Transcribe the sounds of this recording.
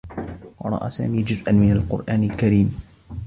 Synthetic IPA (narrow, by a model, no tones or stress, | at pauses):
wɑɾˤɑ̰ʔa̰ːsa̰ːmiːd͡ʒʊzʔanmɪnalqʊ̰ɾʔaːnalkaɾiːm